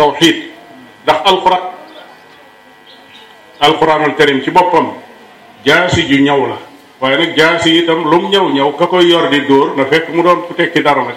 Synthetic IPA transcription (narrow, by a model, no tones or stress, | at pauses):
tɐwħiːd̚ | dɐxɐlkuɾaːn | ɐlquɾaːnɔltɛɾimcibɔpːɐm | ɟaːsiɟuɲɐwlɐ | waːjɛnɐk̚ɟaːsijitɐmlumɲɐwɲɐwkɐkɔjɔrdidɔːrnɐfɛkːəmudɔːnfutɛkːidɐɾnɐ